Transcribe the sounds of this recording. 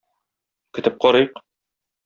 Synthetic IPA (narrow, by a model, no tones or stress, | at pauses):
kɵ̆t̪ɘp̚qɒɾɤjq